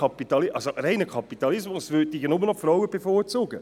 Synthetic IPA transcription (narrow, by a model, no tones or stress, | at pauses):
ɑpitɑlɪʔɑlsoʔɾɛɪnəkʰɑpit̪ɑlɪsmʊsʋʏt̚tɪɡənʊmənɔfɾawəb̥efoːɾt͡soːɡə